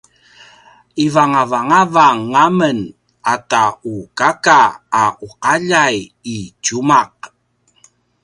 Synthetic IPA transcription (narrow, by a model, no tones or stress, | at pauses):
ivaŋavaŋavaŋːamən | ataukakaːuqaʎajit͡ʃumaq̚